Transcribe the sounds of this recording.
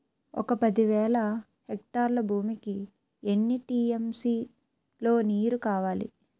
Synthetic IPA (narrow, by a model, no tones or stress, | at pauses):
ɔ̰kɐpɐd̪iʋɛːlɐ | hek̚ʈaːɾlɐbʱuːmiki | enːiʈiːemsiː | lo̞ːniːɾukaːʋaːlḭ